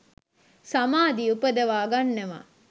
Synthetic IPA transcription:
samaːd̪iupəd̪əʋaːɡanːeʋa̰

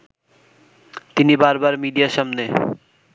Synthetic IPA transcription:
t̪inibaɾbaɾmiɖiaʃamne

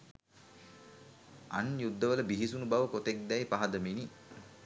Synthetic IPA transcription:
a̰njud̪ːəʋələbiɦisunubaʋəkot̪ek̚d̪ɛjpaɦɐd̪əmini

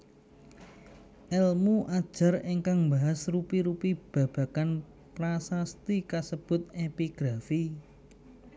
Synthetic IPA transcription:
ʔɛlmuʔad̥ʒ̥a̤riŋkaŋmbaɦasrupiɾupib̥ä̤b̥a̤kan | pɾasast̪ikasəb̥ʊ̤t̪̚epiɡ̥ɾafi

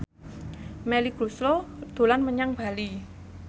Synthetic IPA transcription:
mɛliɡɾuslod̪̥o̤lanməɲaŋb̥a̤li

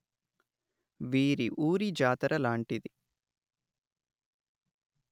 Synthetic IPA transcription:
ʋiːɾiʔuːɾid͡ʒaːt̪ɐɾɐlaːɳʈid̪i

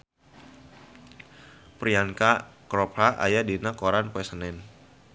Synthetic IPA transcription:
pɾiankakɾɔphaʔa̰jadinakɔɾanpwɛsənɛn

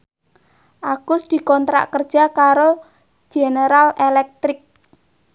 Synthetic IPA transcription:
ʔaɡ̥ʊsd̪̥i̤kɔnt̪ɾa̰ʔkərd̥ʒ̥a̤kaɾo̥ | ʒ̥eneɾalelɛk̚t̪ɾɪk̚

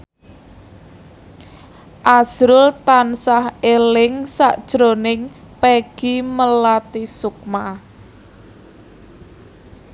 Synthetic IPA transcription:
ʔaz̥ɾʊlt̪ansahelɪŋsa̰ʔd̥ʒ̥ɾo̤nɪŋ | peɡ̥iməlat̪isʊk̚ma

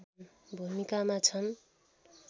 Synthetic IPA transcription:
bʱumikamat͡sʰʌn

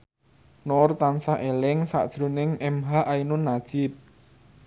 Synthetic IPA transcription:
nɔrt̪ansaʔelɪŋsa̰ʔd̥ʒ̥ɾo̤nɪŋɛmɦaʔainʊnːad̥ʒ̥ɪp̚

